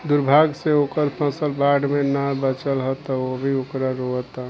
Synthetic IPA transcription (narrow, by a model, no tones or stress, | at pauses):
d̪uɾbʱaɡseokəɾpʰəsəlbaɖmenabət͡ʃəlɦət̪əobʱiokɾaɾoət̪a